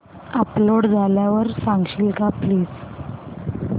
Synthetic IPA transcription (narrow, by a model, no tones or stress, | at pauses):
əploɽd͡zʱaljaʋəɾsãŋɡɕiːlkapliːd͡z